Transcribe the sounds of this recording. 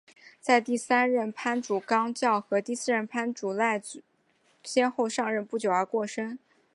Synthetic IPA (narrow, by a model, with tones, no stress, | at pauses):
t͡sa˥˧ɪt̪i˥˩sa˥nɻə˥˩npʰa˥nʈ͡ʂu˨˩kɑ˥ŋt͡ɕjɑ˥˩ʊxɤ˧˥t̪i˥˧sɹ̩˥˧ɻə˥˩npʰa˥nʈ͡ʂu˨˩la˥˩ɪt͡s | ɕjɛ˥nxo˥˧ʊʂɑ˥˧ŋɻə˥˧npu˥˩t͡ɕjo˨˩ʊə˞˧˥kwɔ˥˩ʂə˥ŋ